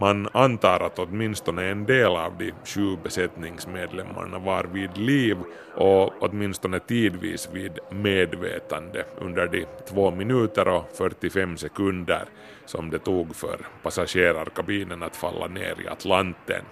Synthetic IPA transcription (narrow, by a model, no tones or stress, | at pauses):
manant̪ɑːɾʔat̪ɔt̪mɪnst̪ɔnəɛnd̪eːlɑːvd̪ɪɕʉːbɛsɛt̪nɪŋsmeːd̪lɛmːa̰ɳavɑɾviːd̪liːv | ʔɔɔt̪mɪnst̪ɔnət̪ʰiːd̪vḭːsviːd̪meːd̪vḛːt̪and̪əʔɵ̰nd̪əɖɪt̪ʰvoːmɪnʉ̟ːt̪əɾɔfœʈ̪ːɪfɛmːsɛkɵnd̪ə̰ɾ | sɔmd̪ɛt̪uːɡfœ̰ɾpasaɕeːɾaɾkabiːnənat̪falːʔa̰nḛːɾɪ̰a̰t̪ʰlant̪ːə̰n